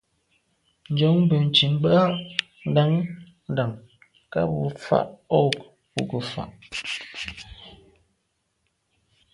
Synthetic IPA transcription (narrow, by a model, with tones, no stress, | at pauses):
n̩˨˦d͡ʒɔ˨˦ŋm˦bə˨n̩˨t͡ʃi˨m˦bə˦a˦ | n̩˦da˦ŋ | n̩˦da˨ŋ | ka̰˦bu˨fa̰˦˨ʔɔ˦˨p | pu˨kə˨fa̰˨ʔ